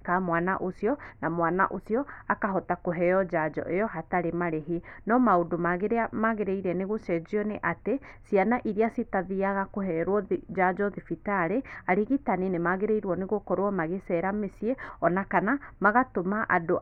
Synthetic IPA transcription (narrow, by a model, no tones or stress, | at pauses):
kamwana̰ʔosjɔnamwana̰ʔosjɔakaɦɔtakoɦɛɔd͡ʒad͡ʒɔ̰ʔejɔɦataɾemaɾeɦinɔmaodomaɣeɾeamaɣeɾeiɾɛneɣosɛd͡ʒiɔneʔate | sianaʔiɾiasitaðiaɣakoɦɛɾwɔd͡ʒad͡ʒɔðifitaɾeaɾiɣitaninemaɣeɾeiɾwɔneɣokɔɾwɔmaɣesɛɾamesieɔnakanamaɣatomaʔa̰do